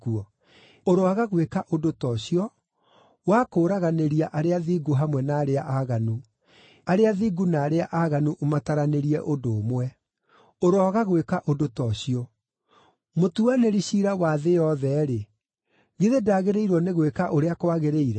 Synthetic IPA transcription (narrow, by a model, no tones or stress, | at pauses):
uɔ | oɾoaɣaɣwekaʔodotɔɕiɔ | waːkoːɾaɣaneɾiaʔaɾeaðiːɡuɦamwɛnaːɾeaʔaɣanu | aɾeaðiɡunaːɾeaʔaɣanuʔomataɾaneɾiɛʔodoːmwɛ | oɾɔɣaɣwekaʔodotɔɕiɔ | motuaneɾiɕiɾawaðejɔðɛɾe | ɣiðedaːɣeɾeiɾwɔneɣwekaʔoɾeakwaɣeɾeiɾɛ